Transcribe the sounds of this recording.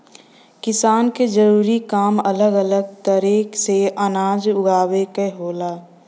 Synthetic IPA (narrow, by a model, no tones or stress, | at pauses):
kɪsaːnked͡ʒəɾuːɾikaːmɐləɡələɡ̚t̪əɾeːkseʔənaːd͡ʒʊɡʱaːwekeɦoːlaː